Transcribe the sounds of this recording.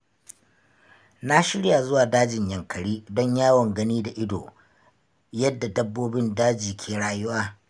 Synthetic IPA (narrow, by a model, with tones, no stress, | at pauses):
na˦ʃɪ˦ɽja˨zʊ˦waː˨daː˦d͡ʒɪ˨ɲjɐ˨ŋkɐ˨ɽiː˦dɔ˦ɲjaː˦wɐ˨ŋɡɐ˦niː˦da˨ʔɪ˦do̰ː˨ | jɐ˦dːa˨dɐ˦bːoː˦bɪ˦ndaː˦d͡ʒiː˨kʲʰeː˨ɽaː˦jʊ˦waː˦